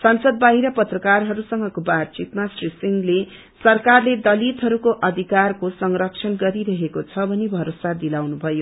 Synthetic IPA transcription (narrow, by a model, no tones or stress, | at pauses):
sʌnsʌd̪̚baɦiɾʌpʌt̪rʌkarɦʌɾusʌŋɡʌkobadt͡sit̪masrisiŋɡle | sʌrkarled̪ʌlit̪ɦʌɾukoʔʌd̪ʱikarkosʌŋrʌkt͡sʰʌnɡʌɾiɾʌɦekot͡sʰʌbʱʌnebʱʌɾosad̪ilawnubʱʌjo